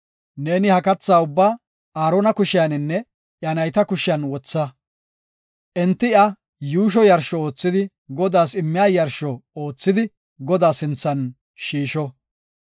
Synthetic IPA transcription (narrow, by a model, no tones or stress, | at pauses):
ne̞ːnɪhɐkɐt͡sːaːʊbːaː | aːɾonɐkʊʃɪjɐnɪnːɛ | ʔjɐnɐjt̪ɐkʊʃɪjɐnwɔt͡sːɐ | ʔɛnt̪ːɪɐ | juːʃ̬ɔjɐɾʃɔo̞ːt͡sːɪd̪ɪ | ɡɔd̪aːsɪmːɪjaːjɐɾʃɔoːt͡sːɪd̪ɪ | ɡɔd̪aːsɪnt͡sːɐn | ʃiːʃɔ